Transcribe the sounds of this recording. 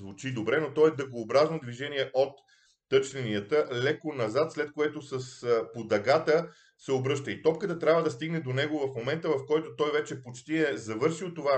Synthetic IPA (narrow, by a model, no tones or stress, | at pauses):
zvut͡ʃid̪obɾɛnot̪ɔjɛd̪əɡoːbɾaznod̪viʒɛniɛʔot̪ː | ɤt͡ʃlʲɛniət̪əlɛkonɐzat̪slɛt̪̚koɛt̪osəspod̪ɐɡat̪ə | sɛobɾɤʃt̪əit̪ɔp̚kət̪ət̪ɾʲabvəd̪ɐst̪iɡnɛd̪onɛɡovɐfmomɛnt̪əvɐfkɔjt̪ot̪ɔjvɛt͡ʃɛpot͡ʃt̪iɛzɐvɤɾʃilˠt̪ova